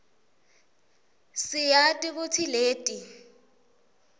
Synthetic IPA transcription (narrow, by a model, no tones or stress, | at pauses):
sɪjatʼɪkʊtʰileːtʼi